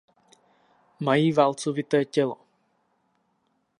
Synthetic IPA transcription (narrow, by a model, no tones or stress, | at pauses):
majiːvalt͡sovɪt̪ɛːcɛlo